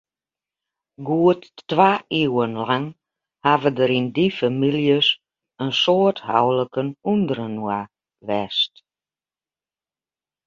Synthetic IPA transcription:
ɡuətːʋaːiwənlaŋ | havədəɾindifamiljəs | ənsoətha̰wləkənundərəna | ʋɛst

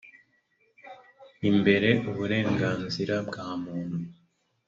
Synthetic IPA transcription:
imbe̞ɾe̞ʔuβuɾe̞ːŋɡaːnziɾabɡaːmuːn̥hu

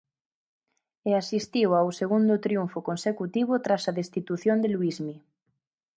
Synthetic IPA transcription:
easist̪iwawseɣ̞und̪ot̪ɾjuɱfokonsekut̪iβ̞ot̪ɾasaðest̪it̪uθjond̪eluizmi

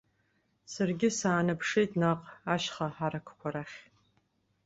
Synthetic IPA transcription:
sɨrɡʲɪsaːnɨpʰʂejtʼnaqʼaʃχɐħaɾɐkʷʰkʷʰɐɾaχʲ

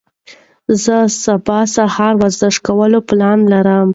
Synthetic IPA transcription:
zəsabɑsahɑɾwazd̪əʂkawəloplɑnlaɾəm

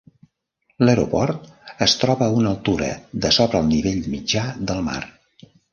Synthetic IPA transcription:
ləɾopɔrt̪əst̪ɾɔβəːunəlˠt̪uɾə̰ðəsɔβɾəːlˠniβeʎmid͡ʒaðəlˠma̰r

